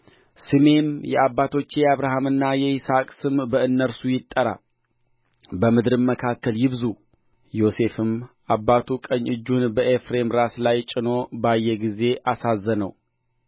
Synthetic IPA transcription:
sɨme̞mjɛabːat̪ʰo̞t͡ʃːejaβɾaɦamɨnːajɛɪsakʼsɨmbəɨnːəɾsujɪt̪ʼːəɾa̰ | bəmɨd̪ɾɨmːəkʰakːəljɪβzu | jo̞se̞fɨmʔabːat̪ʰukʼəɲːɨd͡ʒːunbəʔefɾe̞mɾaslajt͡ʃʼɪno̞bajːɛɡize̞ʔasazːənə̰w

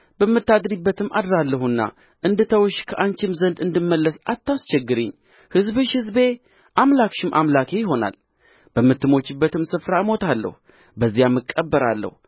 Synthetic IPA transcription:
bəmːɨt̪ːad̪ɾibːət̪ʰɨmʔa̰d̪ɾalːəhunːa̰ | ʔɨnd̪ɨt̪ʰəwʃkʰəʔaɲt͡ʃɪmzənd̪ɨnd̪ɨmːəlːəsat̪ːast͡ʃɛɡːɨɾɨɲː | hɨzbɨʃhɨzbe̞ | ʔamlakʃɨmʔamlakʰe̞jɪɦo̞na̰l | b̥əmːɨt̪ːɨmo̞t͡ʃːɪbːət̪ɨmsɨfɾaɨmo̞t̪ʰalːə̰hu | bəzːijamːɨkʼːəbːəɾalːə̰hu

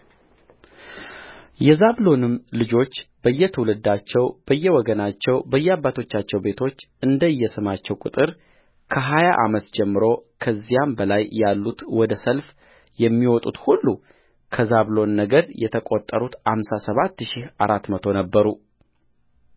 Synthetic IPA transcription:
jɛzaβlo̞nɨmlɨd͡ʒo̞t͡ʃːb̥əjːɛt̪ʰəwlɨd̪ːat͡ʃːɛwb̥əjːɛwɔɡənat͡ʃːɛwbəjːɛabːat̪ʰo̞t͡ʃːat͡ʃːɛwbe̞t̪ʰo̞t͡ʃː | ɨnd̪əjːɛsɨmat͡ʃːɛwkʼɨ̰t̪ʼɨɾ | kʰəɦajaʔa̰mət̪d͡ʒɛmːɨɾo̞kʰəzːijambəlajːalːut̪wɔd̪əsəlf | jɛmːiwɔt̪ʼut̪hulːu | kʰəzaβlo̞nːəɡəɾjɛt̪ʰəkʼo̞t̪ʼːəɾut̪hamsasəβat̪ːʃihaɾat̪ːmət̪ʰo̞nəbːəɾu

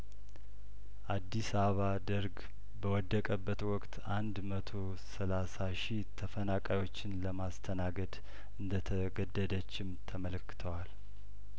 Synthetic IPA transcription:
ʔad̪ːisaββad̪əɾɡ | bəwɔd̪ːəkʼəbːət̪wɔkʼt̪ʰand̪mət̪ʰo̞ | səlasaʃit̪ʰəfənakʼajo̞t͡ʃːɪnləmast̪ʰənaɡəd̪ | ɨnd̪ət̪ʰəɡəd̪ːəd̪ət͡ʃːɪmt̪ʰəmələkːɨ̥t̪ʰəwal

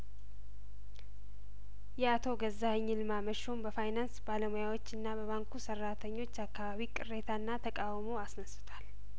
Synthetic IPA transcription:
jɛat̪ʰo̞ɡəzːahɲːɪlmaməʃombəfajnansbaləmojawo̞t͡ʃːɨnːaβəβaŋkʰusərːat̪ʰəɲːo̞t͡ʃːakːaβaβikʼɨrːet̪ʰaɨnːat̪ʰəkʼawmo̞asnəsɨt̪ʰal

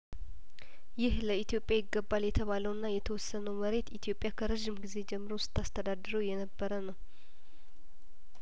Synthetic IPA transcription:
jɪhləit̪ijo̞pʼːjajɪɡːəbːaljɛt̪ʰəβaləwɨnːajɛt̪ʰəwɔsːənəwməɾe̞t̪it̪ʰijo̞pʼːjakʰəɾəʒimɡize̞d͡ʒɛmːɨɾowsɨ̥t̪ʰːast̪ʰəd̪ad̪ɨɾəwjɛnəbːəɾənəw

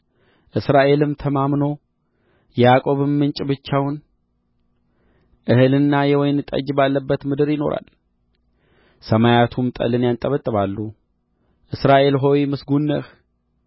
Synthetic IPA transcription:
ʔɨsɾaʔe̞lɨmt̪ʰəmamno̞ | jɛjakʼo̞βɨmːɨnt͡ʃʼɪbɨt͡ʃːawʊn | ʔɨhɨlɨnːajɛwɔjnt̪ʼə̰d͡ʒbalːəbːət̪mɨd̪ɨɾjɪno̞̰ɾa̰l | səmajat̪ʰumt̪ʼə̰lɨnjant̪ʼəβət̪ʼːɨβalːu | ʔɨsɾaʔe̞lɦo̞wjmɨsɡunːəh

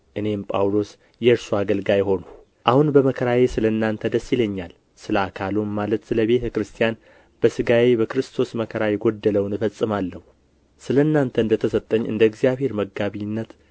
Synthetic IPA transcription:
ʔɨne̞mpʼa̰wlo̞s | jɛɨɾsuaɡəlɡajɪɦo̞nu | ʔahunbəməkʰəɾaje̞sɨlənːant̪ʰəd̪əsːiləɲːal | sɨləakʰalummalət̪sɨləβe̞t̪ʰəkɾɨst̪ʰijan | b̥əsɨɡawe̞bəkɨɾɨst̪ʰo̞sməkʰəɾajɛɡo̞d̪ːələwnɨfəsʼːɨmalːəhu | sɨlənːant̪ʰəɨnd̪ət̪ʰəsət̪ʼːəɲːɨ̰nd̪əɡzijaβhe̞ɾməɡːaβinːət̪

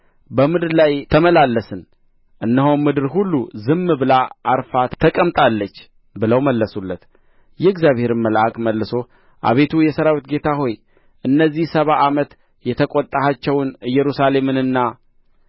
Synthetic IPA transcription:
bəmɨd̪ɨɾlajt̪ʰəməlalːəsɨn | ʔɨnːəɦonmɨd̪ɨɾɦulːuzɨmːbɨlaʔːɾfat̪t̪ʰəkʼəmt̪ʼalːət͡ʃː | bɨləwməlːəsulːət̪ | jɛɨɡzjaβhe̞ɾɨməlʔakʼməlːɨso̞ | ʔa̰βe̞t̪ʰujɛsəɾawit̪ɡe̞t̪ʰaɦo̞j | ʔɨnːəzːihsəβaʔamət̪ | jɛt̪ʰəkʼot̪ʼːahat͡ʃːɛwnɨjːɛɾusale̞mɨnɨnːa

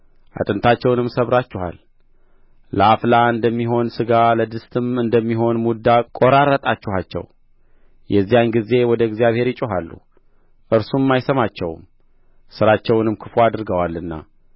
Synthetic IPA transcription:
ʔa̰t̪ʼɨnt̪ʰat͡ʃːɛwnɨmsəβɾat͡ʃːɛha̰l | ləaflaɨnd̪əmːiɦo̞nsɨɡaləd̪ɨst̪ʰɨmɨnd̪əmːiɦo̞nmud̪akʼo̞ɾaɾət̪ʼat͡ʃːɛhat͡ʃːɛ̰w | jʔɛzːijanɡize̞wɔd̪əɡzjaβhe̞ɾjɪt͡ʃʼuɦalːṵ | ʔɨɾsumːajsəmat͡ʃːɛ̰wm | sɨɾat͡ʃːɛwnɨmkʰɨfoad̪ɨɾɡəwalːɨnːa̰

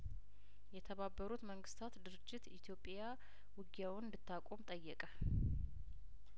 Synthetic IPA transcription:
jɛt̪ʰəβabːəɾut̪məŋɡɨst̪ʰat̪d̪ɨɾɨd͡ʒːɪt̪it̪ʰjo̞pʼːja | wɨɡjawɨnd̪ɨt̪ːakʷʼomt̪ʼəjːɛkʼə

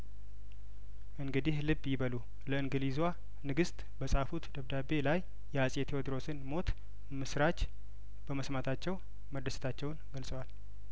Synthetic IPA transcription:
ʔɨŋɡɨd̪ihlɨbːjɪβəlu | ləɨŋɡɨlizwa | nɨɡɨst̪ʼbəsʼafut̪d̪əβd̪abe̞lajː | ɛasʼet̪ʰewod̪ɾo̞sɨnmo̞t̪ | mɨsɾat͡ʃ | b̥əməsmat̪ʰat͡ʃːɛw | məd̪əsɨ̥t̪ʰat͡ʃːɛwnɡəlsʼəwal

